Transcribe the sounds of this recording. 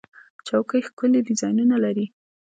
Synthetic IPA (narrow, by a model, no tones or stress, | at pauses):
t͡ʃawkəjxkʊledɪzɑjnunalaɾi